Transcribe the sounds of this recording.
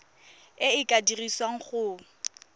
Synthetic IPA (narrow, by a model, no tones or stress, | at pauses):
ɪɪkʼadiriswaŋ̩χʊ